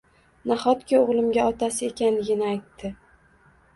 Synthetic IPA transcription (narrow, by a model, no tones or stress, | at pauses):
naχɒt̪kʲʰɪoʁlˠɪmɡʲaɒt̪asɪe̞kʲanlɪɡʲɪnɪajt̪ːɪ